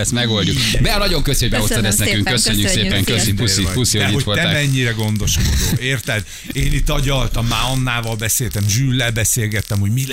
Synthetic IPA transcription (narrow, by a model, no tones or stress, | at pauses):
ɛst̪mɛɡo̞lɟukb̪ɛnɒɟo̞ŋkøsoɟbɛost̪ɛd̪ɛstnɛkyŋkøsøɲːysseːpɛŋkøsiusifusioɛihoolɛmːmɛɲːiɾɛɡo̞nd̪o̞ʃkod̪oːeːrt̪ɛd̪ | eːnit̪ːɒɟɒlt̪ɒmːaːɒnːaːvɒlbɛseːlt̪ɛmʒyːlːɛlbɛseːlɡɛt̪ːɛmho̞ɟmi